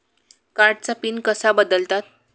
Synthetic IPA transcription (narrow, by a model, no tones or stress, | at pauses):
kaɾʈ̚t͡sapinkəsabəd̪əlt̪at̪̚